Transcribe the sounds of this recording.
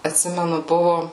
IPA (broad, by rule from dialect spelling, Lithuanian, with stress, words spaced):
ɐtʲˈsʲɪmʲɛnʊ ˈbʊʋʊ